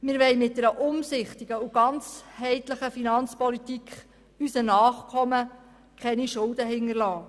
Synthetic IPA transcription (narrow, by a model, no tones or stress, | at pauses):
mɪːɾʋɛjmɪt̚d̥̪ɛɾəʔʊmsɪχt̪iɡ̥əuɡ̥ɑnt͡shɛɪtləχəfinɑnt͡spɔlit̪ikχ | ysənɑːχkʰɔmə | kʰχɛniʃʊldəɦɪŋərlɑː